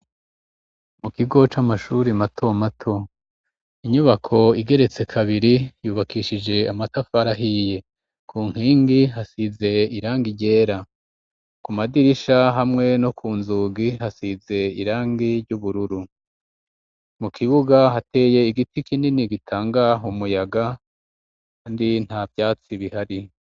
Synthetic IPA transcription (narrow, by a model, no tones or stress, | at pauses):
mukiɡo̞t͡ʃamaʃuɾimatʰo̞matʰo̞ | iɲuβakʰo̞iɡe̞ɾe̞t͡se̞kʰaβiɾijuːβakiːʃid͡ʒe̞amatafaɾaɦije̞ | kʰuːŋ̥hiːŋɡiɦasize̞iɾaːŋɡiɟe̞ːɾa | kumadiɾiʃaɦamŋe̞no̞kʰuːnzuːɡiɦasize̞iɾaːŋɡiɾɟuβuɾuɾu | mukʰiβuɡaɦate̞je̞iɡitikininiɡitʰaːŋɡaɦumujaɡa | kaːndin̥havjaːt͡siβihaɾi